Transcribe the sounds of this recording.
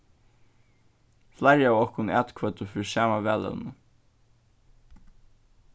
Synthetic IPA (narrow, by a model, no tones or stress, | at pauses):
flaɾjaawɔhkʊna̰ːt̪kʰvœːt̪ʊfɪɾsaːmavɛːlɛ̰l̰nə